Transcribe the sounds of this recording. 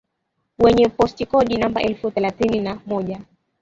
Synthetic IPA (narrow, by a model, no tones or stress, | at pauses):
wɛɲɛpɔstikɔɗinambaʔɛlfuθɛlaθininamɔʄa